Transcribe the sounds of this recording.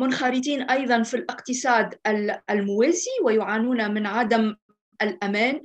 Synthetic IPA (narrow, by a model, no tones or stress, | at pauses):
mʊnxɑɾɪt̪̬iːnʔɑjðˤɑnfilʔɪqt̪ɪsˤɑːd̪ælmʊwæːziwɪjʊʕaːnuːnæmɪnʕad̪am | ʔælʔæmæːn